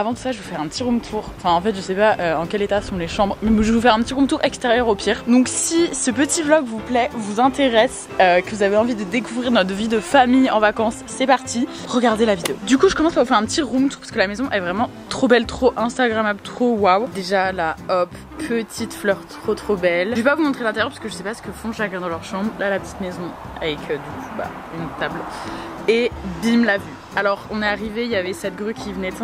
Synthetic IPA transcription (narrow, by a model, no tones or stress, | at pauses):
avɑ̃d̪əsaʒəvufɛʁɛ̃pət̪iʁũmt̪ʰuʁɑ̃fɛ̃ɑ̃fɛt̪ʒəsɛpaʔøɑ̃kʲɛlet̪asɔ̃leʃɑ̃bʁmɛmʒəvufɛʁɛ̃pət̪iʁũmt̪uʁɛkst̪eʁjœʁopiːʁd̪ɔ̃ksisəpət̪ʰiblɔɡvuplɛvuzɛ̃t̪eʁɛs | økəvuzaveɑ̃vid̪əd̪ekuvʁiʁnɔt̪χəvid̪əfamijɑ̃vakɑ̃sːɛpaʁt̪ʰi | ʁəɡaʁd̪elavid̪eod̪ykuʒəkɔmɑ̃spaʁvufɛʁɛ̃pət̪iʁũmt̪uʁpḁskəlamezɔ̃ʔɛvʁɛmɑ̃ | t̪χobɛlt̪χoʔɛ̃st̪aɡʁamablt̪χowawd̪eʒalaɔpː | ət̪ʰit̪flœʁt̪χot̪χobɛlʒepavumɔ̃t̪χelɛ̃t̪ɛʁjɛʁpḁisəkəʒəsɛpasə̥kəfɔ̃ʒaɡʁɛ̃d̪ɑ̃lœʁʃɑ̃bʁlalapət̪i̥t̪mezɔ̃ | a̰vɛkʰød̪ykʰu̥ba̰ | ynt̪abl | ebimlavy | alɔʁɔ̃nɛaʁivejavɛsɛt̪̚ɡʁykʲivənɛɛ̃